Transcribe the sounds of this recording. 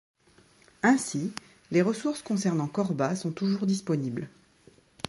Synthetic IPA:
ɛ̃si | leʁəsuʁskɔ̃sɛʁnɑ̃kɔʁbasɔ̃t̪uʒuʁd̪ispɔnibl

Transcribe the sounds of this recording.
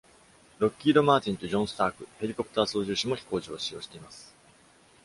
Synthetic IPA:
ɾo̞kʲːiːd̪o̞maːt͡ɕĩnt̪o̞d͡ʑõɰ̃sɨ̥t̪aːkɯ̟he̞ɾʲiko̞pɯ̥t̪aːso̞ːʑɨːɕimo̞çi̥ko̞ːd͡ʑioːɕijo̞̰ːɕi̥t̪e̞imasɨ̥

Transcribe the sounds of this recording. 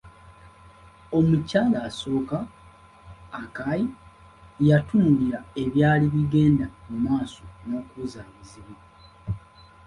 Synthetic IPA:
o̞mucaːlaːso̞ːka | kaji | jatuːŋɡiɾae̞βjaːliβiɡe̞ːndamumaːso̞no̞kuːzaːβiziβwa

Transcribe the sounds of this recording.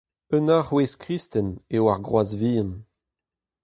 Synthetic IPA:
ənaʁweskʁist̪ɛnewaʁɡʁwazviːɑ̃n

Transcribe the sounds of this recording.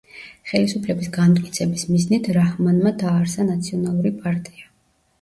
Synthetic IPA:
χɛlisupʰlɛbisɡant̪ʼkʼit̪sʰɛbismiznit̪ʰɾahmanmad̪aːɾsanat̪sʰiɔnalˠuɾipʼaɾt̪ʼia

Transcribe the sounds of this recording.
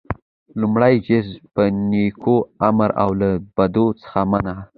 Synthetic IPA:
lumɽajd͡ʒɪzpənekʰoamɾa̰wlab̥ad̪ot͡sə̥xamana

